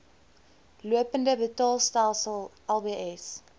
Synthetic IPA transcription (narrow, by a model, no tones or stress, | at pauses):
luəpəndəbətɑːlˠstælˠsəlˠ | ɛlˠbiʔɛs